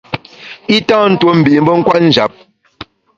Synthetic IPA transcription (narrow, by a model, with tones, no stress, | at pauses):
i˦tã˦n̩˦˨two˦m̩˨bi˨ʔm̩˦bə˦ŋ̩˦kwa˦n̩˦d͡ʒa˨˦p̚